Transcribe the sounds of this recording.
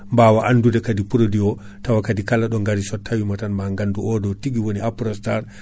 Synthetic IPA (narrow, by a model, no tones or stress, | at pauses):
mbaːwaʔandudɛkadipuɾodiɔ | tawakadikalːaɗɔŋɡaɾisɔtʰːawimatanmaŋɡanduɔdɔtiɡiwoniapɾɔstaɾ